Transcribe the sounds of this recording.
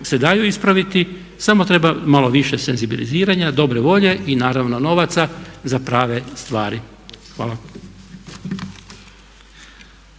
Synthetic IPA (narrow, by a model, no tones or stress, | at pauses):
se̞d̪ajuispɾaʋit̪i | samo̞t̪ɾe̞bamalˠo̞ʋiʃese̞nzibiliziːɾaɲad̪o̞bɾeʋo̞ʎe̞ʔinaːɾaʋno̞no̞ʋat̪sazapɾaːʋe̞st̪ʋaːɾi | xʋaːlˠa